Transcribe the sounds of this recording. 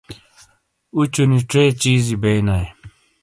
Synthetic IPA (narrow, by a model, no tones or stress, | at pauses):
ut͡ɕuniʈ͡ʂeːt͡ɕiːzibejnaje